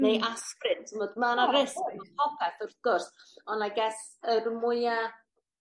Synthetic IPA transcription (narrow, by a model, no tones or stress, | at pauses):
nejʔaskrɪntʰmɔdmɛwnaɾɪskmɔpʰɔpʰɛθɔθɡ̥ʊrsɔnaɡɛs | ərmʊja